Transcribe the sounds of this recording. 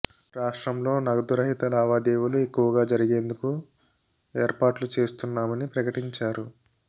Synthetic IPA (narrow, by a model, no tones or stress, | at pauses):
ɾaːʂʈɾɐmlo̞ːnɐɡɐd̪uɾɐɦit̪ɐlaːʋaːd̪eːʋuluekːuʋɐɡaːd͡ʒɐɾiɡe̞ːnd̪uku | eːɾpaːʈlut͡ʃe̞ːst̪unːaːmɐnipɾɐkɐʈiɲt͡ʃaːɾu